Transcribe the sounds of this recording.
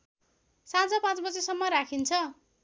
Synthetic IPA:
sãd͡zʌpãt͡sbʌd͡zesʌmːʌɾakʰint͡sʰʌ

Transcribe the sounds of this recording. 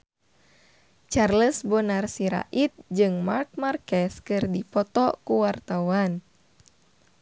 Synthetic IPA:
t͡ʃarləsbɔnarsiɾa̰ʔit̪̚d͡ʒɨŋmark̚markɛskɨrdipɔt̪ɔkuwart̪awan

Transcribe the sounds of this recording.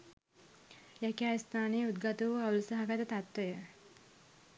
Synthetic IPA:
jækiaːjist̪aːnejəud̪̚ɡat̪uʋuaulsaɦaɡat̪ət̪at̪ʋəjə

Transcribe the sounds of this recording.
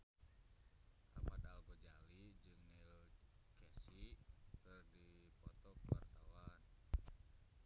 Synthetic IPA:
a̰mat̪alɡɔd͡ʒalid͡ʒɨŋnɛlkɛsikɨrdipɔt̪ɔkwa̰rt̪awan

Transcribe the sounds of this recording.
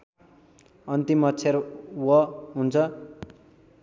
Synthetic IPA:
ʌnt̪imʌtt͡sʰeɾwʌɦunt͡sʰʌ

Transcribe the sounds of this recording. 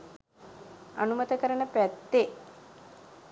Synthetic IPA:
a̰numət̪əkəɾənəpɾæt̪ːe

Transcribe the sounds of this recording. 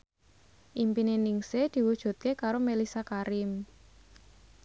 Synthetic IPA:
ʔimpineniŋsed̪̥i̤wud̥ʒ̥ṳt̪̚kekaɾomelisakaɾɪm

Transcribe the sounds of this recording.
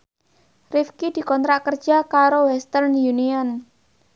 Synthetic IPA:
rifkid̪̥i̤kɔnt̪ɾaʔkərd̥d͡ʒ̥akaɾowɛst̪ərnjuniɔn

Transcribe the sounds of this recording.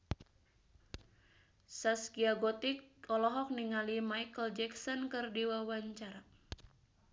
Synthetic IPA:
saskiaɡɔt̪ik̚ɔlɔɦɔk̚niŋalimajkəld͡ʒɛksɔnkɨrdiwawaɲt͡ʃaɾa

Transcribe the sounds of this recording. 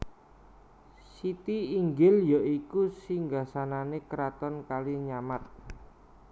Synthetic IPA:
sit̪iːŋɡɪljɔʔikusiŋɡasananekəɾat̪ɔnkaliɲamat̪̚

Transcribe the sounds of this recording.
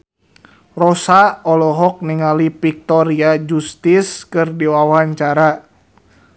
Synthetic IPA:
rɔsaɔlɔɦɔk̚niŋalipik̚t̪ɔɾiad͡ʒust̪iskɨrdiwawaɲt͡ʃaɾa

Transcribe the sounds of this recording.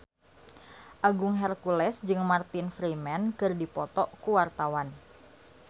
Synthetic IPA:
ʔaɡʊŋɦɛrkulɛsd͡ʒɨŋmart̪ɪnfɾimɛnkɨrdipɔt̪ɔkuwart̪awan

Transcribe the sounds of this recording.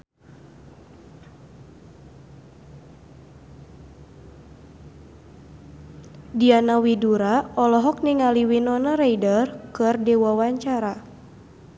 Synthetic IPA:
dianawiduɾaɔlɔɦɔk̚niŋaliwinɔnaɾejdərkɨrdɛwawaɲt͡ʃaɾa

